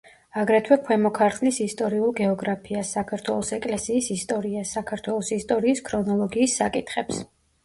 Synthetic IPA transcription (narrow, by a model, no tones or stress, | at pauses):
aɡɾɛt̪ʰwɛkʰwɛmɔkʰaɾt̪ʰlisist̪ʼɔɾiulˠɡɛɔɡɾapʰiasːakʰaɾt̪ʰwɛlˠɔsɛkʼlɛsiːsist̪ʼɔɾiasːakʰaɾt̪ʰwɛlˠɔsist̪ʼɔɾiːskʰɾɔnɔlˠɔɡiːsːa̰kʼit̪ʰχɛps